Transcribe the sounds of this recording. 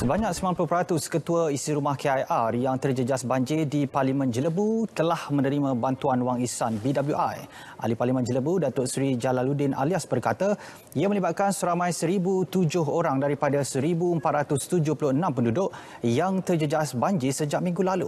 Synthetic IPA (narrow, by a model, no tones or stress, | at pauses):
səbaɲãk̚səmanpulʊpɾat̪ʊskət̪uaisiɾumahkeajʔarjaŋt̪ərd͡ʒəd͡ʒasbaɲd͡ʒɪdiparlimə̃nd͡ʒələbut̪əlahmə̃nəɾimãbant̪uanwaŋisanbidabljuʔaj | ʔa̰liparlimə̃nd͡ʒələbudat̪ʊʔsɾid͡ʒalaludɪnʔa̰liasbərkat̪a | iamə̃libat̪̚kansəɾamãjsəɾibut̪ud͡ʒʊɦoɾaŋdaɾipadasəɾibuəmpat̪̚ɾat̪ʊst̪ud͡ʒʊhpulʊhənãmpəndudʊʔ | jaŋt̪ərd͡ʒəd͡ʒasbaɲd͡ʒɪsəd͡ʒaʔ̚mĩŋɡulalṵ